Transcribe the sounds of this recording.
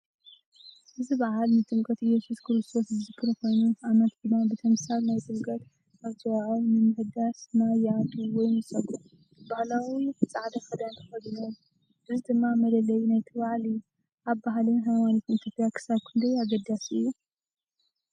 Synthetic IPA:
ʔɨzɨbaʕalnɨt̪ʼɨmkʼɐt̪ijːɛsuskʰɾɨst̪ʰo̞szɨzɨkʰːɨɾko̞jnuʔamɐt̪d̪ɨmːabɨt̪ʰɐmsaβnajt̪ʼɨmkʼɐt̪ | aβt̪ʰɨwaʕawnɨmɨhɨd̪asnajad̪uwɔjnɨsɐɡʼu | ɨbahlawit͡sʼaʕd̪ɐxɐd̪ant̪ʰɐ̥xɐd̪ɨnolu | bɨzɨd̪ɨmːamɐlɐlɐjunajt̪ʰɨβaʕlɨjːu | ʔaβbaɦlinɦajmanikʰunt̪ʰofjakʰɨ̥saβkʰɨnd̪ɐjaɡɐd̪asɨ̰jːu

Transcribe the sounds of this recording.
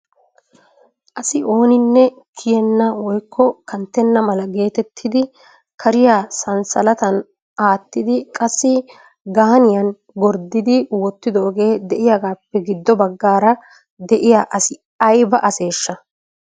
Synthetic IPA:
ʔɐsɪʔo̞ːnɪnːɛ | kʰɪjɛnːɐwɔjkʰːɔkɐnt̪ːɛnːɐmɐlɐɡe̞ːt̪ɛt̪ʰːɪd̪ɪ | kʰɐɾɪjaːsɐnsɐlɐt̪ɐn | ʔaːt̪ːɪd̪ɪkʼɐsːɪ | ɡaːnɪjɐn | ɡɔɾd̪ɪd̪ɪwɔt̪ːɪd̪oːɡe̞ːd̪ɛʔɪjaːɡaːpːɛɡɪd̪ːɔbɐɡːaːɾɐ | d̪ɛʔɪjaʔɐsɪ | ɐjbɐʔɐse̞ːʃːɐ

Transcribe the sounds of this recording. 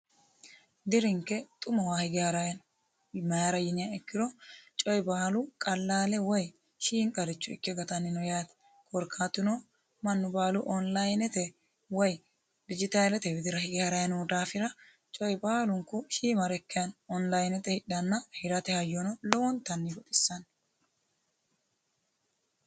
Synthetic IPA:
d̪ɪɾɪŋkːɛt̪ʼʊmɐwaːhɪɡɪhɐɾɐjɐn | mɐjaɾɐjɪnɪjaɛkːɪɾɔt͡ʃʼɔjbaːlʊkʼɐlːaːlɛwɔj | ʃiːŋkʼɐɾɪt͡ʃːʊɪ̰kːɛɡɐt̪ɐnːɪnɔjaːt̪ɛ̥ | kʼɔɾkʰaːt̪ːɪno | mɐnːʊbaːlʊʔɔnlɐjnɛt̪ɛ | wɔj | d̪ɪd͡ʒɪt̪aːlɛt̪ɛwɪd̪ɪɾɐhɪɡhɐɾɐjɐnuːd̪aːfɪɾɐ | t͡ʃʼɔjbaːlʊŋkːʊʃiːmɐɾɛkːɛjɐnɔnlɐjnɛt̪ɛhɪɗːɐnːɐhɪɾɐt̪ɛhɐjːɔnɔlɔwɔnt̪ɐnːiɡɔt̪ʼɪ̥sːɐn

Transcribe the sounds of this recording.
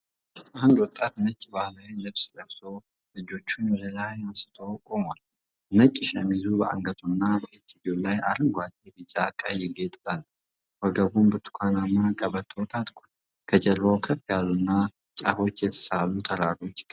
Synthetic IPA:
ahund̪wɔt̪ʼːat̪nət͡ʃʼːbahlawilɨβsləβt̪o | lɨd͡ʒo̞t͡ʃːunwɔləlajansɨ̥t̪ʰowkʼomal | nət͡ʃʼːɪʃɛmizubəʔa̰ŋɡət̪ʰʼunːabəʔɨt͡ʃːid͡ʒolajʔaɾɨŋɡʷad͡ʒ̪ebɨt͡ʃʼakʼajɪɡet̪ʼal | wəɡəβunbɨt̪ʰu̥kʷʰanamːakʼəbət̪ʰːəwt̪ʰat̪ʼkʷʰon | kʰəd͡ʒɛɾbowkʰəfijalunːa | t͡ʃʼafo̞t͡ʃːjɛt̪ʰə̥salut̪ʰəɾaɾo̞t͡ʃː

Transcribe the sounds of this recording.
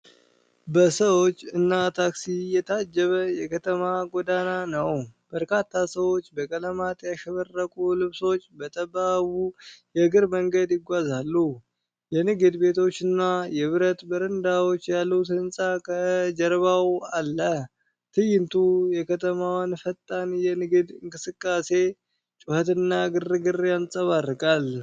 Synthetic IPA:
bəsəwo̞t͡ʃːɨnːat̪ʰaksijɛt̪ʰad͡ʒːɛβəjɛkʰət̪ʰəmaɡod̪ananəwb̥əɾkʰat̪ʰːasəwo̞t͡ʃːbəkʼələmat̪ʼjaʃɛβərːəkʼulɨβso̞t͡ʃːbət̪ʼəbaβujɛɡɨɾməŋɡəd̪jɪɡʷazalːu | jɛnɨɡɨd̪be̞t̪ʰo̞t͡ʃːɨnːajɛβɨɾət̪bəɾɨnd̪awo̞t͡ʃːjalːəwt̪ɨnsʼakʰəd͡ʒəɾβawalːə | t̪ʰɨjɪnt̪ʰujɛkʰət̪ʰəmawanfət̪ʼːanjɛnɨɡɨd̪ɨŋkʼɨsɨkʼːase̞ | t͡ʃʼʊhət̪ɨnːaɡɨrːɨɡɨrjansʼəβarːɨkʼal

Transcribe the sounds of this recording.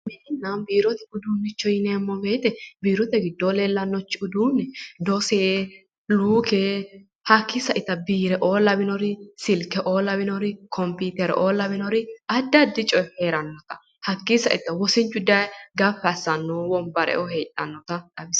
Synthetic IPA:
mɛɪnːɐnbiːɾɔt̪ɛʊd̪uːnːɪt͡ʃːɔjɪnɛmːɔbeːt̪ɛbiːɾɔt̪ɛɡɪd̪ːɔleːlːɐnːɔt͡ʃːɪʊd̪uːnːɛd̪ɔseː | luːke | hɐkːɪsɐʔɪt̪ːɐbiːɾɛʔoːlɐbɪnɔɾɪsɪlkɛʔo̞ːlɐbɪnɔɾɪkʰɔmpiːt̪ɛɾɛ̰ʔoːlɐbɪnɔɾɪɐd̪ːɐd̪ɪt͡ʃʼɔjheːɾɐnːɔt̪ɐ̥ | hɐkːɪsɐʔɪt̪ːɐwɔsɪnt͡ʃːʊd̪ɐjɡɐfːɐsːɐnːɔːwɔmbɐɾɛ̰ʔɔheːt̪ʼːɐnːɔt̪ɐᶑ̪ɐbɪs

